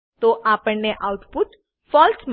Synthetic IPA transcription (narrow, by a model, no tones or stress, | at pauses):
t̪oʔapəɳneʔaut̪puʈ̪ | fɔlsm